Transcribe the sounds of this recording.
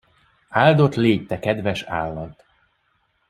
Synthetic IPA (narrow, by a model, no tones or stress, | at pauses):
aːld̪o̞t̪leːct̪ɛkɛd̪vɛʃaːlːɒt̪